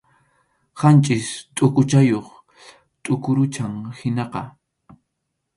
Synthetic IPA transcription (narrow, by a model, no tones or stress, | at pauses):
hant͡ʃʼɪst̪ʼʊkʊt͡ʃajoχ | t̪ʼʊkʊɾʊt͡ʃaŋhɪnɑqɑ